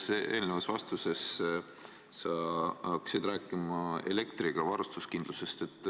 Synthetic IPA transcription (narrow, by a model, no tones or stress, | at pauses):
sʔe̞ːlnevɑsvɑst̪use̞s | sɑɑkːsid̪ræːkːˑimɑe̞̰le̞kt̪ɾiɡ̥ɑvɑɾust̪uskind̪luse̞st̪e̞t̪ːˑ